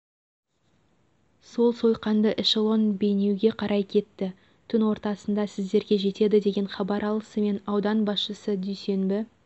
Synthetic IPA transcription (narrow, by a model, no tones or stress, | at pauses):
so̞lˠso̞jqɑnd̪əʔɪʃolˠo̞nbe̞jne̞wɡʲe̞qʰɑɾʔɑjkʲʰe̞t̪ːɪ | t̪ʰʏnwo̞ɾt̪ɑsənd̪ɑsɪzd̪e̞ɾɡʲe̞ʒe̞t̪e̞d̪ɪd̪e̞ɡʲe̞ɴχɑbɑɾɑlˠəsəme̞nɑwd̪ɑnbɑsʃəsəd̪ʏjse̞nbɪ